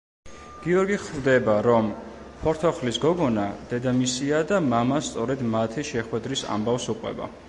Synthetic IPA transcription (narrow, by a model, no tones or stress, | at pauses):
ɡ̥iɔɾɡiχvd̪ɛbaɾɔm | pʰɔɾt̪ʰɔχlisɡɔɡɔnad̪̥ɛd̪amisiad̪amamast̪sʼɔɾɛd̪mat̪ʰiʃɛχwɛd̪ɾisa̰mbafsuqʼwɛ̰ba̰